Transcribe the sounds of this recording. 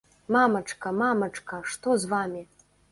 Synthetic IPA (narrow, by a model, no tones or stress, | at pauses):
mamɐt͡ʂkɐmamɐt͡ʂkɐʂt̪ɔzvamʲi